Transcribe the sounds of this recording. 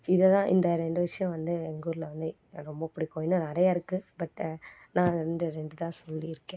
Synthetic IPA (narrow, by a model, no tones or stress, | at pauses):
ɪðɐt̪ãːʔɪ̰nd̪ɐɾɛɳɖɯʋɪʂɐjɔ̃ʋɐnd̪ɯɛŋɡuːɾlɐʋɐnd̪ɯ | ɾɔmbɐpːɐɽikoːjnɯnɐɾɐjaɪɾɯkːɯbɐʈːnãːɳɖɯɾɛɳɖɯt̪ãːsɔlːiɪɾɯkːẽ